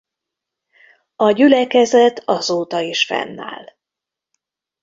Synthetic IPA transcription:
ɒɟylɛkɛzɛt̪ʰɒzoːt̪ɒiʃfɛ̰nːa̰ːl

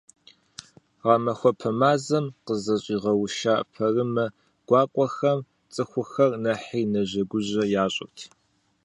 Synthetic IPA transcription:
ʁɑmɐxʷɔpʰɐmaːzɐmqəzɐɕʼiːʁɐwʃaːpʰɐrɨmɐ | ɡ̥ʷɑːkʷʼɔxɐm | t͡sʼɨxʷʊxɐrnɐħiːnɐʑɐɡʷʊʑɐjaːɕʼɪ̰tʰ

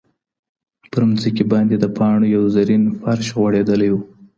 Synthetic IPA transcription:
pəɾmzəkibɑnd̪ed̪əpʰɑɳojawzaɾinfaɾʃɣwaɽed̪əlajwu

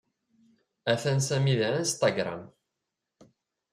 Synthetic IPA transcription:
æθænsæmiðænst̪aɡɾˤa̰m

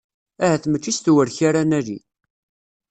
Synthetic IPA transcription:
æhæθmət͡ʃːist̪wəɾçaɾænælḭ

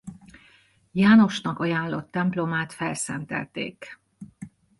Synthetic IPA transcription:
jaːno̞ʃnɒkɒjaːnlo̞̰t̪ːɛmplomaːt̪fɛlsɛnt̪ɛ̰lt̪ḛːk

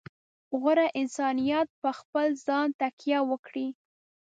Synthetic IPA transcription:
ɣəɾaʔɪnsɑnijat̪̚pəxpəlzɑnt̪akjawəkɽi

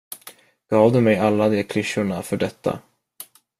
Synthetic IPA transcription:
ɡ̥ɑːvd̪ɵmɛjalːad̪eːɾkʰlʏʃːʊɳafœɖɛt̪ʰːa̰

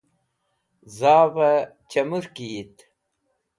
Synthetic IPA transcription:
zaːvɐ | t͡ɕɐmuɾkit̪

